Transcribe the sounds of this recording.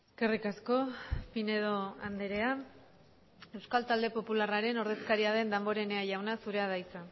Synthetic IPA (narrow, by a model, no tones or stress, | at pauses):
eske̞rikasko̞fine̞ð̞o̞and̪eɾe̞a | e̞wskalt̪ald̪e̞po̞pularaɾe̞no̞ɾðe̞skaɾiaðe̞nd̪ambo̞ɾe̞neaʝawnasuɾe̞aðajt͡sa